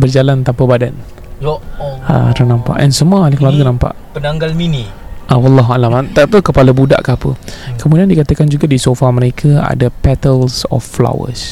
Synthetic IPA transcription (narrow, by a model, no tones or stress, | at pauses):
bərd͡ʒalant̪ampabadan | a̰t̪ənãmpa̰ʔɛ̰nsəmualkəlarɡənãmpa̰ʔpənaŋɡalmini | ʔawɑlːɑɦualamat̪at̪əkəpaləbuda̰ʔkaapəkəmudiandikat̪əkand͡ʒuɡadisofaməɾekʰəa̰dapɛt̪əlsɔ̰fːla̰wə̰s